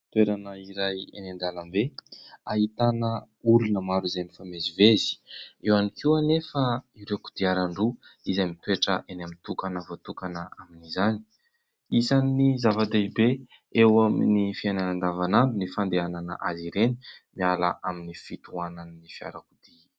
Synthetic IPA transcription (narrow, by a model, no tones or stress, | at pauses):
t̪weɾanəiɾajḛnend̪alambeaɦit̪anə | ulunəmaɾizemifamezivezi̥ewanikianefəiɾewku̥d̪̥iaɾaɳɖ͡ʐuizamit̪weʈ͡ʂəʔenamint̪ukanəvot̪ukanəaminizani̥ | izanːizavad̪eibe | ewaminifiananand̪avanambinifand̪eananə̰ʔaziɾeni̥miala̰ʔaminifit̪uananənifia̰ɾakud̪̥i